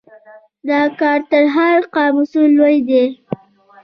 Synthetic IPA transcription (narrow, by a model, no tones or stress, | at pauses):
d̪ɑkɑɾt̪əɾɦaɾqɑmʊsulːojd̪e